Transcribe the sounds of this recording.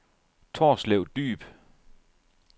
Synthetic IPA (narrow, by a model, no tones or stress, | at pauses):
t͡sʰoːsleʊd̥y̰ːb̥